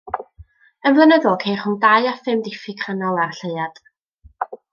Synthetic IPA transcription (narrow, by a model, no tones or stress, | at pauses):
ənvlˠənəðɔlˠkʰejχʊŋdajafɪmdɪfɪkʰanɔlˠarɬəjad̥